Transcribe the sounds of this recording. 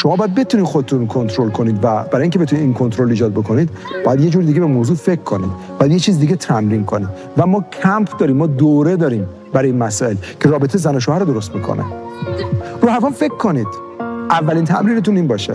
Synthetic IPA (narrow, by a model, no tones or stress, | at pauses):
ʃomɒːbɒːjæd̪̚be̞t̪ʰuniːd̪xod̪et̪ʰunkʰo̞nt̪ʰɾolkʰo̞niːd̪væb̥æɾɒːjiŋcʰeeunid̪inkʰont̪ɾoliːd͡ʒɒːd̪̚bo̞kʰo̞niːd̪ | bɒːjæd̪je̞d͡ʒuːɾid̪iːɟebemoːzuːfe̞kʰːo̞nḭd̪̚bɒːjæd̪jet͡ʃʰiːzid̪iɟet̪ʰɾæmɾiːnkʰo̞nid̪ | væmɒːcʰæmpʰd̪ɒːɾiːmːɒːd̪oɾe̞d̪ɒːɾiːm | bæɾɒːjinmæsɒːe̞lcʰe̞ɾɒːbet̪ʰejzænoʃ̬oːhæɾod̪o̞ɾo̞st̪miːkʰo̰nḛ | ɾuːhæfɔnfe̞kʰːo̞niːd̪̥ | ʔævːæliːnt̪ʰæ̰mɾiːne̞t̪uniːnbɒːʃḛ